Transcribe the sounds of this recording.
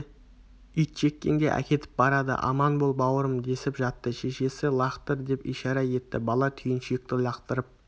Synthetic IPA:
ʏjt̪ʃe̞kʲːe̞̰ŋɡʲe̞̰ʔæ̰kʲe̞t̪ɪ̥p̚bɑɾɑd̪ə̰ʔɑ̰mɑnbolˠbɑwəɾəmd̪e̞sɪpʒɑt̪ːəʃe̞ʃe̞sɪlˠɑqt̪əɾd̪e̞pijʃɑɾɑje̞t̪ːɪ̰bɑlˠɑt̪ʰʏjɪnʃjɪk̚t̪ɪlˠɑqt̪əɾəp̚

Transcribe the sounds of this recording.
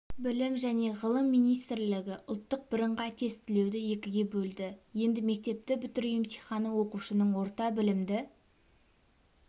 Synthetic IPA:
bɪlɪmʒæne̞ʁəlˠəmːijnijst̪ɾlɪɡʲɪʔʊlˠt̪ːəq̚bɪɾəɴʁɑt̪ʰe̞st̪ɪle̞wd̪ɪje̞kʲɪɡʲe̞bɵld̪ɪje̞nd̪ɪme̞k̚t̪e̞p̚t̪ɪbʏt̪ɪɾjɪmsijχɑnəwo̞quʃənəɴwo̞ɾt̪ɑbɪlɪmd̪ɪ

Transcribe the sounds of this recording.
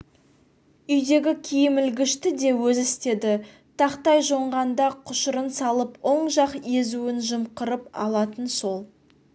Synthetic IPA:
ʏjd̪e̞ɡʲɪkʲʰijɪmɪlɡʲɪʃt̪ɪd̪e̞wɵzɪst̪e̞d̪ɪ | t̪ʰɑqt̪ɑjʒo̞ɴʁɑnd̪ɑqʰʊʃəɾənsɑlˠəpwo̞ɴʒɑqje̞zuɪnʒəmqəɾəpɑ̰lˠɑt̪ənso̞lˠ

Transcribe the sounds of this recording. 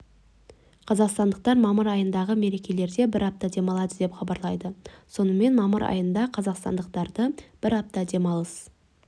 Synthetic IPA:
qʰɑzɑqst̪ɑnd̪əq̚t̪ɑɾmɑməɾɑjənd̪ɑʁəme̞ɾe̞kʲe̞le̞ɾd̪e̞bɪɾɑp̚t̪ɑd̪e̞mɑlˠɑd̪əd̪e̞pχɑbɑɾlˠɑjd̪əso̞nəme̞nmɑməɾɑ̰jənd̪ɑqʰɑzɑqst̪ɑ̰nd̪əq̚t̪ɑɾd̪əb̥ɪɾɑp̚t̪ɑd̪e̞mɑlˠəs

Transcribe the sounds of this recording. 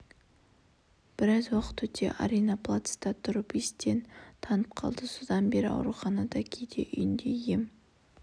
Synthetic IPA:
b̥ɪɾɑzwɑqə̥t̪wɵt̪ʰe̞̰ʔa̰ɾejnɑplˠat̪st̪ɑt̪ʰʊɾəpist̪e̞nt̪ʰɑnəp̚qʰɑ̰lˠd̪əsʊd̪ɑnbe̞ɾɪɑ̰wɾuχɑnɑd̪ɑkʲʰejd̪e̞̰ʔʏ̰jɪnd̪e̞je̞m

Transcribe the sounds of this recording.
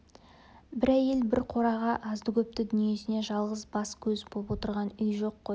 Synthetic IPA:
bɪɾæje̞lbɪɾqʰo̞ɾɑʁɑʔɑzd̪əkʲʰɵp̚t̪ɪd̪ʏnije̞sɪneʒɑlˠʁəzbɑskʲʰɵzbolˠpwo̞t̪əɾʁɑnʏjʒo̞qːoj

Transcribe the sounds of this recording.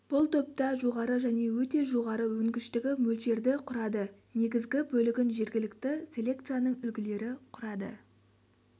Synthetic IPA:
b̥ʊlˠt̪ʰop̚t̪ɑʒo̞ʁɑɾəʒæne̞wɵt̪e̞ʒo̞ʁɑɾəwɵŋɡʲɪʃt̪ɪɡʲɪmɵlʃe̞ɾd̪ɪqʰʊɾɑd̪ə | ne̞ɡʲɪzɡʲɪbɵlɪɡʲɪnʒe̞ɾɡʲɪlɪkt̪ɪsʲe̞lʲe̞k̚t̪sɨjanəɴʏlɡʲɪle̞ɾɪqʰʊɾɑd̪ə̰

